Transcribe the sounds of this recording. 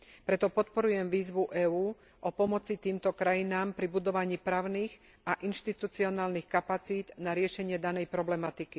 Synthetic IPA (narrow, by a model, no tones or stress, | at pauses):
pɾɛt̪ɔpɔt̪pɔɾujɛmʋiːzʋuʔɛːuː | ʔɔpɔmɔt͡sit̪iːmt̪ɔkɾajinaːmpɾibud̪ɔʋaɲiːpɾaːʊniːɣ | aʔinʃt̪it̪ut͡siɔnaːlnixkapat͡siːd̪naɾɪɛʃɛɲɪɛd̪anɛjpɾɔblɛmat̪iki